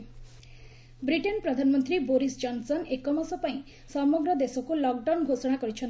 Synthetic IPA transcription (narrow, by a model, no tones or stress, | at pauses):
bɾiʈenpɾɔd̪ʱanmɔnt̪ɾiboɾisd͡ʒɔnsɔnekɔmasɔpaĩ | sɔmɔɡɾɔd̪esɔkulɔk̚ɖawnɡʱosɔɽ̃akɔɾit͡ʃʰɔn